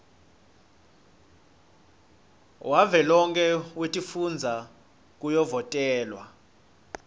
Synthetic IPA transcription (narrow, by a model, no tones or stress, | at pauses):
wʔavɛlɔŋkʼɛwetʼifund͡zʱa | k̬ʼujɔvɔtʼɛːlwa